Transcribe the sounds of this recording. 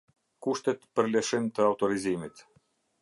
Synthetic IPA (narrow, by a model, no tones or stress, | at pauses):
kuʃt̪ɛt̪pəɾlɛʃimt̪əawt̪ɔɾizimit̪